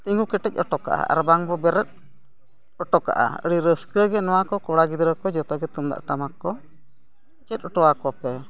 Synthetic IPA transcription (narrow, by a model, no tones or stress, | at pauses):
t̪iŋɡukɛʈɛc̚ˀɔʈɔka̰ʔa̰ʔa̰ɾbaŋbɔbɛɾət̪̚ | ɔʈɔka̰ʔa̰ə̰ɽiɾəskəɡɛnɔwakɔkɔɽaɡid̪ɾəkɔd͡ʒɔt̪ɔɡɛt̪ɔmd̪a̰ʔʈamakːɔ | t͡ʃɛt̪̚ˀɔʈɔwakɔpɛ